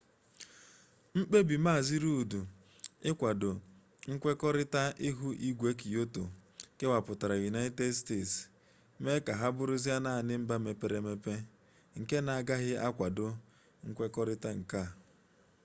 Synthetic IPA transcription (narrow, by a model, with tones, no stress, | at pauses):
m̩˦k͡pe˦bi˨ma˦˨zi˦ɾu˦u˨du˨ | ɪ˦kʷa˨dʊ˨ | ŋ̩˦kʷe˦kɔ˦ɾɪ˦ta˦ʔɪ˦ɦu˦ʔi˦ɡʷe˦ki˨jo˦to˨ke˦wa˨pʊ˨ta˨ɾa˨ju˨na˦ɪ˦te˦dsteː˦˨ts | me˦ka˨ɦa˦bʊ˦ɾʊ˦zi˦a˦na˦˨nɪ˦m̩˦ba˦me˨pe˨ɾe˨me˦pe˦ | ŋ̩˨ke˦na˨a˨ɡa˦ɣɪ˦ʔa˦kʷa˨dʊ˨ | ŋ̩˦kʷe˦kɔ˦ɾɪ˦ta˦ŋ̩˨ka˦˨